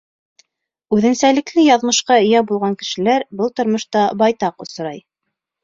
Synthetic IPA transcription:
ʉðɘ̆nsælɘ̆klɘjɑðmɤ̆ʃqɑɘ̆jæbulˠʁɑŋkɘ̥̆ʃɘ̆læɾbɤlˠt̪ŏɾmɤ̆ʃt̪ɑbɑjt̪ɑqŏsɤ̆ɾɑj

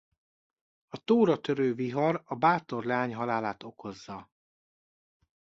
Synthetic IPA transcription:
ɒt̪oːɾɒt̪øɾøːviɦɒɾɒbaːt̪o̞rlaːɲɦɒlaːlaːt̪o̞kʰo̞zːɒ

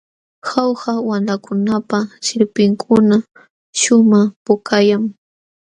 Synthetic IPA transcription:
xawhawanlakʊnapaʃɪɾpɪŋkʰʊna | ʃʊmaχpʊkajaŋ

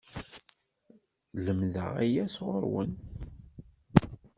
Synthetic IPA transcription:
ləmðə̰ʁæjæsʁə̰ɾwə̰n

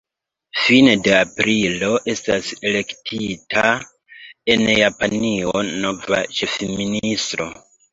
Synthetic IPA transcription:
finede̞apɾilo̞ʔe̞stase̞le̞ktʰitʰa | e̞njapanio̞no̞va̰t͡ʃe̞fministɾo̞̰

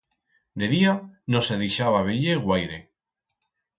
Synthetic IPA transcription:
d̪eðianoseðejʃaβaβ̞eʎeɣwajɾe

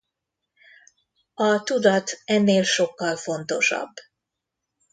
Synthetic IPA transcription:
ɒt̪ud̪ɒt̪ɛnːeːlʃo̞kːɒlfo̞n̪t̪o̞ʃɒ̰bː

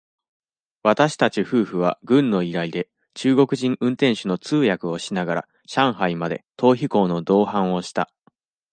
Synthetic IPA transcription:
βat̪aɕi̥t̪at͡ɕiɸɯ̟ːɸɯ̟β̞aɡɯ̟̃nːo̞iɾaid̪e̞ | t͡ɕɨːɡo̞kɯ̟ʑĩɰ̃ʔɯ̟̃nt̪ẽ̞ɰ̃ɕɨno̞t͡sɨːjakɯ̟o̞ɕinaɡaɾa̰ | ɕãɰ̃ɦaimad̪e̞̰t̪ʰo̞ːçiko̞ːno̞d̪o̞ːhãɰ̃o̞ɕi̥t̪a

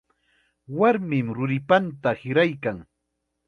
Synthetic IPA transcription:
waɾmɪmɾʊɾɪpant̪ahɪɾajkaŋ

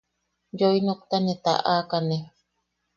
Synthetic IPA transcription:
joinok̚t̪anet̪a̰ʔakane

